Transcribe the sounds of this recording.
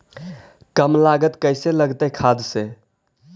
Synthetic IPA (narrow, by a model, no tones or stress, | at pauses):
kəmlaɡət̪kəjseləɡt̪əkʰad̪se